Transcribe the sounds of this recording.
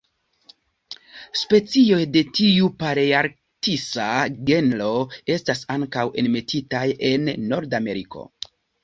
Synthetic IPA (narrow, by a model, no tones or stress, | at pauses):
spe̞t͡sio̞jde̞tiupaɾeaɾ | kisaɡe̞nlo̞e̞stasaŋkawe̞nme̞tʰitaje̞nːo̞ɾdame̞ɾikʰo̞̰